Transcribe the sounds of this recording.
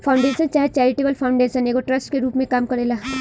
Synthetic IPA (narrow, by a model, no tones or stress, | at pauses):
pʰaʊ̃ɳɖeːʃənt͡ʃaːɦet͡ʃɛːɾɪʈeːbəlpʰaːʊ̃ɳɖeːʃəneːɡoʈɾəsʈkeɾuːpmẽkaːmkɐɾeːlaː